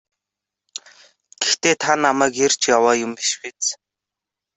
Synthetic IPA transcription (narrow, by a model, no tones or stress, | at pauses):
ɡ̥ext̪eːt̪ʰanamæːker̥t͡ɕjawaːjʊmiʃpet͡s